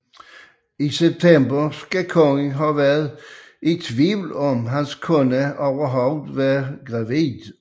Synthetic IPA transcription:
iseb̥̚t̪ʰembɐskækʰɔŋɦɑːʋæːɐð̩ˠ | et͡sʰʋiʊl̩ɔmɦænskʰɔnəoʋɐɦɑʊð̩ˠʋæːɐɡ̥ʁɑ̈ʋiːd

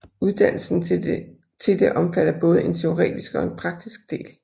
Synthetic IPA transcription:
uð̞ˠd̥æn̰l̩sn̩ | t͡sʰe̝ld̥e̝ʔɒ̽mfæɾ̥ɐb̥ɔ̽ːð̞̩ˠəe̝nt͡sʰe̝o̝ʁɛ̰ːd̥isɡ̥ɒ̽e̝npʰʁɑ̈ɡ̥̚d̥isɡ̥̚d̥e̝̰ːl

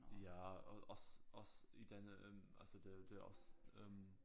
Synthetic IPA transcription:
jaːa̰ʊʔa̰ʊsʔaʊsḭdɛnəʔɛmʔa̰lz̥odɛːɐd̥ɛːʔa̰ʊsʔɛ̰m

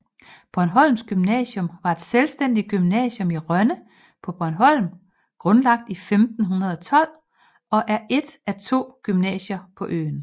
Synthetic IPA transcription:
b̥ɒnɦɒ̽l̰msɡ̥ymnɛ̰ːɕɔ̽mʋɑ̈e̝d̥selsd̥en̰d̥iɡ̥ymnɛ̰ːɕɔ̽miʁɶnə | pʰɒ̽b̥ɒnɦɒ̽l̰m | ɡ̥ʁɔ̽nlɑ̈ɡ̥̚d̥ifemd̥n̩ɦunɐð̞̩ˠɒ̽t͡sʰɒ̽l̰ | ɒ̽ʔæɐʔe̝d̥ʔæt͡sʰo̝̰ːɡ̥ymnɛ̰ːɕɐpʰɒ̽ʔø̰ːn̩

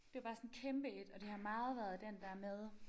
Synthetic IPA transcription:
d̥e̝æb̥ɑ̈ːsɒ̽nkʰemb̥əe̝d̥ɒ̽d̥e̝hɑ̈mɑ̈ːð̞̩ˠʋæːɐð̞̩ˠd̥end̥ɑæɐmeð̞ˠ

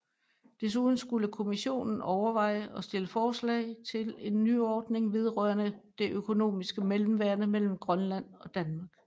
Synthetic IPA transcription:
d̥e̝s̬uð̞ˠn̩sɡ̥uləkʰo̝miɕo̝̰ːnn̩ɒʊɐʋɑ̈ɪ̰əɒ̽sd̥e̝ləfɒːslɛ̰ɪt͡sʰe̝le̝nːy̰ːɒːd̥ne̝ŋʋe̝ð̞ˠʁœɐnəd̥e̝ʔøkʰo̝no̝̰ːmisɡ̥əmelm̩ʋæɐ̰nəmel̰m̩ɡ̥ʁɶnlæn̰ɒ̽d̥ænmɑ̈ːɡ̥̚

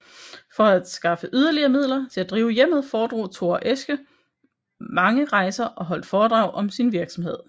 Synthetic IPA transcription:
fɒ̽æd̥sɡ̥ɑ̈fəʔyð̞ˠɐliɐːmið̞̰ˠlɐt͡sʰe̝læd̥ʁiːʊəjem̰ð̞̩ˠfɒːd̥ʁo̰ːt͡sʰo̝ːʔesɡ̥ə | mɑ̈ŋəʁɑ̈ɪsɐʔɒ̽ɦɒ̽l̰d̥fɒːd̥ʁɑ̈ʊʔɒ̽msinʋiɐɡ̥sɒ̽mhe̝ð̰ˠ

